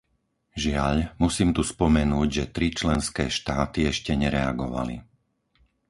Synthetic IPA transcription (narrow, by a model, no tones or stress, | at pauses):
ʒɪaʎmusiːmt̪uspɔmɛnuːɟʒɛt̪ɾit͡ʃlɛnskɛːʃt̪aːt̪iɛʃcɛɲɛɾɛa̰ɡɔʋa̰lḭ